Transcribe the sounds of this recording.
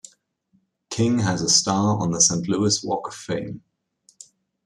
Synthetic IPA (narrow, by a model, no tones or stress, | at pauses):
kʰɪ̃ŋəzəstɑːɹə̰̃nðəsẽɪ̃nʔlʉɪswɔ̰ˑkəfẽɪ̃m